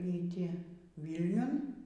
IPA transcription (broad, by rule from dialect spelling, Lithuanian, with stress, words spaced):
iː ˈtʲɪ ʋʲiːlʲˈnʲʊn